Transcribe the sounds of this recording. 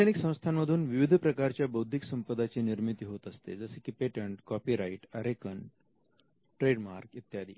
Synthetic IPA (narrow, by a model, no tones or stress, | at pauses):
eniksə̃w̃st̪ʰanmːəd̪ʱuːnʋiʋid̪ʱpɾəkaɾt͡ɕjabəwd̪ʱiksəmpəd̪at͡ɕiniɾmit̪iɦot̪əst̪ḛd͡zəsekipeʈəɳʈkɔpiɾaiʈəɾekən | ʈɾeɖmaɾkit̪jad̪ʱḭː